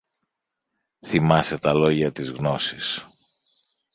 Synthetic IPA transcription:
θimɐse̞t̪ɐlo̞ʝɐt̪izɣno̞sis

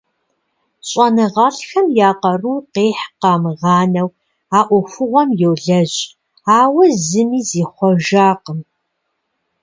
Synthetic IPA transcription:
ɕʼɐnɨʁɑːɬxɐmjaːqɐruwqeːħqɑːmɨʁɑːnɐw | aːʔʷɔfʷʊʁʷɔmjɛwɮɐʑʼ | aːwɐzɨmiːziːχʷɔʒaːqəm

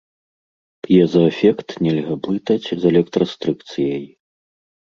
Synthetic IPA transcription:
pjɛzɐɛfʲɛkt̪nʲɛlʲɣɐblˠɨt̪ɐt͡sʲzɛlʲɛk̚t̪ɾɐst̪ɾɨkt̪sɨjɐj

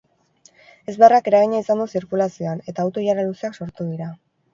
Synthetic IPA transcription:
e̞zβearake̞ɾaɣ̞iɲaisand̪usiɾkulasio̞ane̞t̪aːwt̪o̞jaɾaluseakso̞ɾt̪uðiɾa

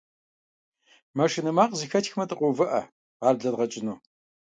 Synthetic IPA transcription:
mɐʂɪnɨmaːqzɨxɐtxmɐtʼɨqʷʼʊvɨʔɐ̰ | ʁɑːrbɮɐdʁɐt͡ʃʼɪnuː

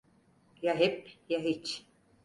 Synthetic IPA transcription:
jaɦepjaɦit͡ʃ

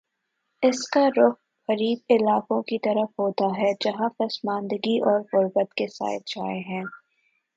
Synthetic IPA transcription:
ɪskaɾʊx | xɐɾiːbɪlaːkõkit̪ɐɾəfɦoːt̪aɦɛd͡ʒɐɦãfɐsmãːnd̪əɡiʔɔːɾɣʊɾbət̪kesa̰ːɪt̪̚d͡ʒaːeɦɛ̃ː

